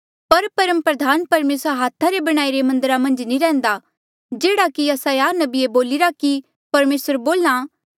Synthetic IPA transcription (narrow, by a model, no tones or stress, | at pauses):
pɐɾpɐɾəmpɾɐd̪ʱaːnpɐɾmeːsɾaɦaːt̪ʰːaɾebɐɽ̃aːiɾemɐ̃nd̪əɾamɐ̃nd͡ʒnĩɾɛ̃ːnd̪a | d͡ʒeːɽakiɐsãjaːnɐbieboːlɪɾaki | pɐɾmeːsəɾboːla